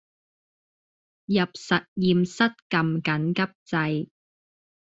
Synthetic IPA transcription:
jɐ˨p̚sɐ˨t̚jiː˨msɐ˥t̚kɐ˨mkɐ˨˥nkɐ˥p̚t͡sɐ˧j

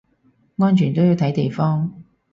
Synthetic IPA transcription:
ŋɔː˥nt͡ʃʰyː˨˩nt̪o˥wjiː˨˧t̪ʰɐ˨˥jt̪e˨jfɔː˥ŋ

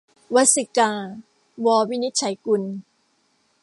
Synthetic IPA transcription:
wa˦˥t̪̚si˧˩kaː˧ | wɔː˧wi˦˥ni˦˥t̪̚t͡ɕʰa˨˩˦jku˧n

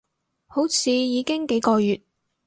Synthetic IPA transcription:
ho˨˥wt͡sʰiː˨˧jiː˨˧kɪ˥ŋke˨˥jkɔː˧jyː˨t̚

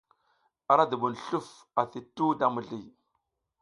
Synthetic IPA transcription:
a˨ɾa˦du˨ɓu˨nɬu˦˨f | a˨θi˨tːu˦da˦mu˨ɮi˦˨

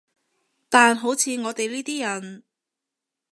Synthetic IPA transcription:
t̪aː˨nɦo˨˥wt͡sʰiː˨˧ŋɔː˨˧t̪e˨jliː˥t̪iː˥jɐ˨˩n

